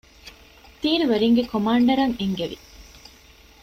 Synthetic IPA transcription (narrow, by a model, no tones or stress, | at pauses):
t̪iːɾiʋɐɾiŋɡekomaːɳɖɐɾɐŋeŋɡeʋḭ